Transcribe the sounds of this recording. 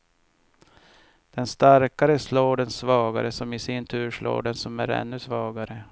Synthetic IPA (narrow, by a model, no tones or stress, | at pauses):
d̪̥ɛnst̪aɾkaɾəsloːɖɛnsvɑːɡa̰ɾəsɔmɪsɪnt̪ʰʉ̟ːʂlo̰ːɖɛnsɔmæɾɛ̰nːɵsvɑːɡaɾə